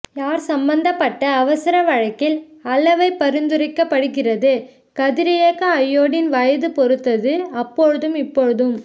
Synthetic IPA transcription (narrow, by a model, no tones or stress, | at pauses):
jaːɾsɐmbɐnd̪ɐpːɐʈːɐːʋɐsɪɾɐʋɐɻɐkːɪlɐlɐʋɐɪpːɐɾɯnd̪ɯɾɐɪkːɐpːɐɽɯɣɪrɐðɯ | kɐðɪɾɪjeːkɐɐjːoːɽɪnʋɐjɐðɯpɔɾɯt̪ːɐðɯɐpːɔɻɯðɯmɪpːoɻɯðɯm